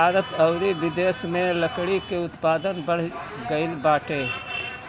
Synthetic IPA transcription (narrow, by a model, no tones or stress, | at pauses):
aːɾət̪ɐʊɾiʋɪd̪eːsmẽləkɽikeʊt̪paːd̪ənbɐɽ̤ | ɡɐɪlbaːʈʰeː